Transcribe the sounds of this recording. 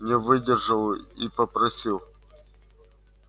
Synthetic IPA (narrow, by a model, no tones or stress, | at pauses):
nʲɪvɨdʲɪrʐɨlˠipəpɾɐsʲilˠ